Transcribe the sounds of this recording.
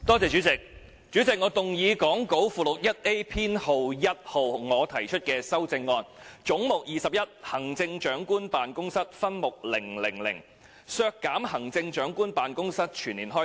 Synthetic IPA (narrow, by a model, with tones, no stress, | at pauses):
t̪ɔː˥t͡sɛː˨t͡ʃyː˨˥t͡sɪ˨k̚ | t͡ʃyː˨˥t͡sɪ˨k̚ŋɔː˨˧˥t̪ʊ˨ŋjiː˨˧kɔː˨˥ŋko˨˥wfuː˨˧lʊ˨k̚jɐ˥t̚ʔe˥jpʰiː˥nho˨wjɐ˥t̚ho˨wŋɔː˨˧t̪ʰɐ˨˩jt͡ʃʰɵ˥t̚kɛː˧sɐ˥wt͡sɪ˧ŋːɔː˧nt͡ʃʊ˨˥ŋmʊ˨k̚jiː˨˩sɐ˨p̚jɐ˥t̚hɐ˨˩ŋt͡sɪ˧ŋt͡ʃœː˨˥ŋkuː˥npaː˨nkʊ˥ŋsɐ˥t̚fɐ˥nmʊ˨k̚lɪ˨˩ŋlɪ˨˩ŋlɪ̰˨˩ŋ | sœː˧kːaː˨˥mhɐ˨˩ŋt͡sɪ˧ŋt͡ʃœː˨˥ŋkuː˥npaː˨nkʊ˥ŋsɐ˥t̚t͡ʃʰyː˨˩nliː˨˩nɦɔː˥